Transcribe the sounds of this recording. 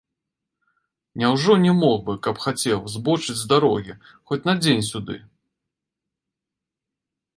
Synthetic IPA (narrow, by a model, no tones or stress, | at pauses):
nʲawʐɔnʲɛmɔxbɨkɐpxat͡sʲɛwzbɔt͡ʂɨd͡zʲzd̪aɾɔɣʲi | xɔt͡sʲnɐd͡zʲenʲsʲud̪ɨ̰